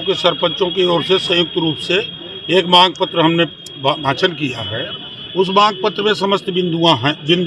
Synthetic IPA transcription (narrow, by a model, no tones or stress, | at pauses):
kesəɾpə̃t͡ʃõkeɔːɾsesəjʊk̚t̪ɾuːpse | eːkmãːɡ̚pət̪ɾəɦɐmne | bbʱãːt͡ʃənkija̰ɦɛː | ʊs̬mãːɡpət̪ːɾəmẽsɐməst̪bɪ̃nd̪uãɦɛ̃bɪ̃nd̪